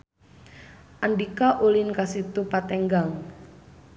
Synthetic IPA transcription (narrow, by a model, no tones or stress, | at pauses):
ʔaɳɖikaʔulinkasit̪upat̪ɛŋɡaŋ